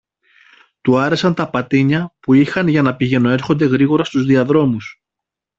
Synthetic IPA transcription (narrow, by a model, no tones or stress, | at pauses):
t̪uɐɾe̞sɐnt̪ɐpɐt̪iɲɐpuixɐnʝɐnɐpiʝe̞no̞e̞ɾxo̞nd̪e̞ɣɾiɣo̞ɾɐst̪uzðiɐðɾo̞mus